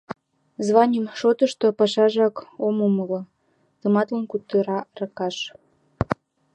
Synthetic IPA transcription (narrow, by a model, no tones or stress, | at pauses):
zβɑnʲəmʃot̪əʃt̪opɑʃɑʒɑkomuməlŏ | t̪əmɑt̪lənkut̪ːəɾɑrəkɑʃ